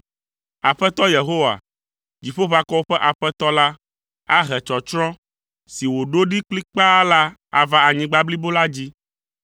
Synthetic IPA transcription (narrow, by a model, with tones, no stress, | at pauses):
a˨ɸɛ˦t̪ɔ˦je˨ɦo˦wa̰˨ | d͡ʑi˨ɸo˦va˦kɔ˦wo˦ɸɛ˦ʔa˨ɸɛ˦t̪ɔ˦la˦ | a˦ɦɛ˨t͡ʃɔ˨t͡ʃɾɔ̃˦ | si˨wo˨ɖo˦ɖi˦k͡pli˦k͡pa˦la˦ | a̰˨va˦a˨ɲĩ˨ɡ͡ba˦bli˦bo˦la˦d͡ʑi˦